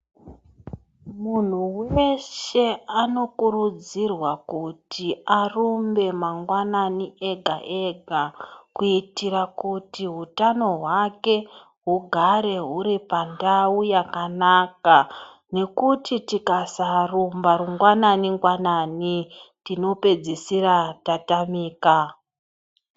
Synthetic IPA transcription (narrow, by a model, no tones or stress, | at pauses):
mun̤uweʃe̞ano̞kurud͡zirwakutʰiarumbe̞maŋɡwananiʔe̞ɡʱa̰ʔeɡʱakuitiɾakutiɦutano̞ɦwake̞ | ɦuɡʱaɾe̞ɦuɾipandaujakanaka | ne̞kutʰitikasarumbaɾuŋɡwananiŋɡwananitino̞pe̞d͡zisiratatamiːka